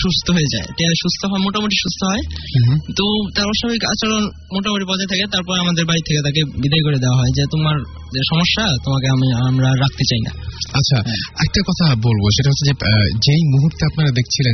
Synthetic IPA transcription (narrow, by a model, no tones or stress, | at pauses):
ʃust̪ʰoɦoed͡ʑaeʈeaʃust̪ʰoɦɔemoʈamoʈiʃust̪ʰoɦɔet̪ot̪aɾɔʃabʱikat͡ɕaɾon | moʈamoʈipɔd͡ʑaet̪ʰaket̪aɾpɔɾeamad̪eɾbaɾit̪ʰːeket̪ak̬ebid̪ajk̬oɾed̪eoaɦɔed͡ʑet̪omaɾ | d͡ʑeʃɔmoʃːat̪omakeamiamɾaɾak̚ʰt̪et͡ɕajna̰atːɕʰaɛ̰k̚ʈakɔt̪ʰabolboʃeʈaɦɔt̪ʰːed͡ʑed͡ʑejmuɦuɾt̪eapnaɾad̪ekʰt͡ɕʰilen